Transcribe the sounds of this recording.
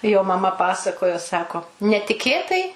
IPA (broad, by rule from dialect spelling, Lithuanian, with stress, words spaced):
joː mɐˈmɐ ˈpɑːsɐkoːjoː ˈsɑːkoː nʲɛtʲɪˈkʲeːtɐɪ